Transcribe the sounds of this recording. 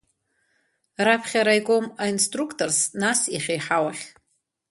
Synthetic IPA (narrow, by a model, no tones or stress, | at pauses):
rapʰχʲaɾajɡo̞mainstrukʰtʰo̞rsnasiχʲejħawaχʲ